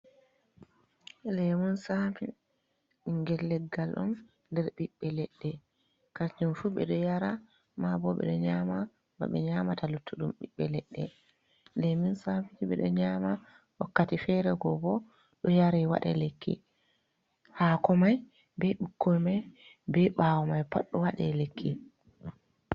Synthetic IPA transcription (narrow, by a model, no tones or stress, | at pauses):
lɛmunsafi | iŋɡɛlːɛɡːalʔɔ̰m | ndɛɾɓiɓːɛlɛɗːɛ | kat͡ʃunfuɓɛ̰ɗɔjaɾa | mabɔɓɛ̰ɗɔɲama | ba̰ɓɛ̰ɲamatalutʰːuɗumɓiɓːɛlɛɗːɛ | dɛminsafid͡ʒiɓɛ̰ɗɔɲama | wakːatifɛɾɛɡɔbɔ | ɗɔjaɾɛwa̰ɗɛ̰lekːḭ | hakɔmaj | bɛɗukʰːɔjmaj | bɛɓaːwɔmajpaɗːɔwaɗɛlekʰːi